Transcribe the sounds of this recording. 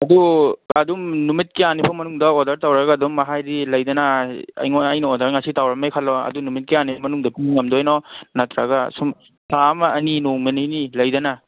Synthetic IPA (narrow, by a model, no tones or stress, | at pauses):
ɐduadumnumit̚keanipʰɐmɐnuŋdɐodɐɾtawɾaɡɐːdumːɐɦajdilɐjdɐnaɐ̰jŋoɐjnɐodɐɾŋasitawɾɐmejkʰalːɔɐ̰dunumit̚keanipmɐnuŋdɐpiŋɐmdɔjnɔnɐtɾaɡɐsum | samɐɐninoŋmenijnilɐjdɐna